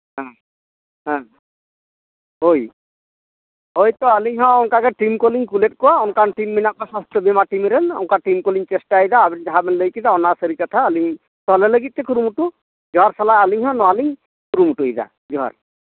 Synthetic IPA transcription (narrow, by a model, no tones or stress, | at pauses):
ɦã | ɦã | ɦoj | ɦojt̪ɔaliŋɦɔ̃ɔŋkakɛʈimkoliŋkuleʈ̚kɔwaɔnkanʈimːinakasast̪ʰɔbimaʈimiɾenɔ̰ŋkaʈimkoliŋt͡ʃesʈajd̪aːbind͡ʒaɦabɛnləjkid̪aɔnasəɾikat̪ʰaaliŋ | t̪ɔleləɡit̪̚ːekuɾumuʈu | d͡ʒɔɦaɾsalaaliŋɦɔ̃nɔaliŋ | kuɾumuʈuid̪a̰ | d͡ʒɔɦa̰ɾ